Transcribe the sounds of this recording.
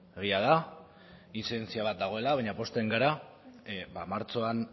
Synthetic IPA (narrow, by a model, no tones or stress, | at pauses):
eɣ̞iað̞a | isent͡siaβ̞at̪̚d̪aɣ̞o̞e̞laβaɲapo̞st̪eŋɡaɾa | bamaɾt͡so̞an